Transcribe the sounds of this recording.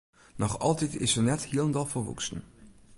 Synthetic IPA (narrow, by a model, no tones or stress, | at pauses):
nɔχɑ̰lˠtɛtɪ̰səɹnɛthilˠəndɑlˠfəɹʋṵksən